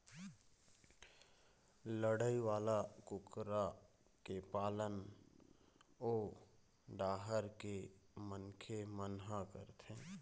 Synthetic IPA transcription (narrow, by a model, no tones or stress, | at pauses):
ləɽəiʋaːlakʊkɾa | kepaːlən | oː | ɖaːɦəɾkemənkʰemənɦãkəɾt̪ʰẽː